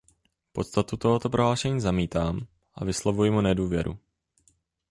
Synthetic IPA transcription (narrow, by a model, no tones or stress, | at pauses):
po̞t̪st̪at̪ut̪oɦot̪opɾoɦlaːʃɛɲiːzamiːt̪aːm | ʔa̰vɪslo̞vujɪmunɛduːvjɛɾṵ